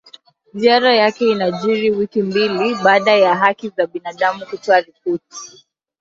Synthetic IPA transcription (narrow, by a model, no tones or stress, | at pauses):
ziaɾajakɛinaʄiɾiwikimbiliɓaːɗajaɦakizaɓinaɗamukutɔaɾipɔti̥